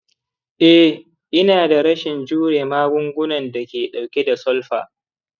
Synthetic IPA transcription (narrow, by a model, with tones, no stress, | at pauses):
ʔɛ˦ | ʔɪ˦naː˨da˨ɾɐ˦ʃɪ˨nd͡ʒuː˦ɽeː˨maː˦ɡʷʊ˦ŋɡʷʊ˦nɐ˨nda˨kʲeː˨ɗa˨wkʲe˦da˨sɔ˦lɸaː˨